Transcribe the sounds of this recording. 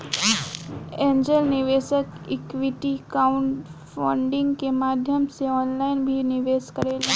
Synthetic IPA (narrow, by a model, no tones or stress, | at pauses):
ẽːɲd͡ʒəlnɪʋeːsək | ɪkʋɪʈikaːʊ̃ɳʈfʰaːɳɖɪ̃ŋɡkemaːd̪ʱjəmseɔːnlaːɪnbʱinɪʋeːskəɾeːla